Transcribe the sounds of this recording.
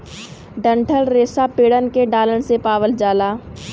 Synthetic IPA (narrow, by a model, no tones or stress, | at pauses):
ɖə̃ɳʈʰəlɾeːsapeːɽənkeɖaːləɽsepaːʋəld͡ʒaːlaː